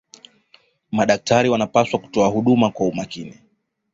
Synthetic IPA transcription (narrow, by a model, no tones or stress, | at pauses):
maɗak̚taɾiwanapaswaku̥tɔahuɗumakwaumakini